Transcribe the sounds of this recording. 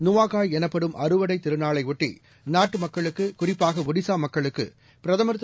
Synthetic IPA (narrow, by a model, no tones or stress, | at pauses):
nʊʋaːɣaːjɛnɐpːɐɽɯmʔɐɾɯʋɐɽɐɪt̪ːɪɾɯnaːɭɐɪʊʈːḭ | naːʈːɯmɐkːɐɭɯkːɯkʊrɪpːaːɣɐʋʊɽɪsaːmɐkːɐɭɯkːɯ̰ | pɪɾɐðɐmɐɾɯt̪ː